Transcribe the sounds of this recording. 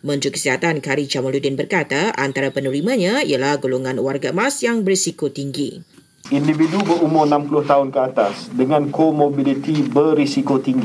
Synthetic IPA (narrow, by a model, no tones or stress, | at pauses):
mə̃nt̪ɾikə̥siɦat̪ankaɾit͡ʃamaludɪnbərkat̪aʔant̪aɾapənũɾimãɲãḭalahɡoloŋanwarɡamasjaŋbərisikot̪iŋɡḭ | ʔindividubəɾumʊrnãmpulʊht̪aɦʊnkəat̪asdəŋãnkomobilit̪ibərisikot̪iŋɡi